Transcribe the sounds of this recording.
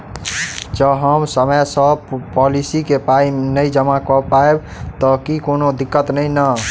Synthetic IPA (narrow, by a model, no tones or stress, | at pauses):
d͡ʒəɦəmsəməjsəpɔlisikepainəd͡ʒəmakɔpaeb | t̪ɔkikonod̪ikːət̪nəjnə